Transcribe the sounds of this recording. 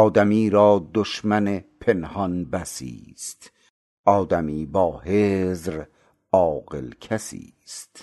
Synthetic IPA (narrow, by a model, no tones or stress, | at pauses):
ɒːd̪æmiːɾɒːd̪oʃmænepʰenhɒnbæsḭːst̪ | ʔɒːd̪æmiːbɒːheːzɾ | ɒːɣḛlkʰæsḭː | st̪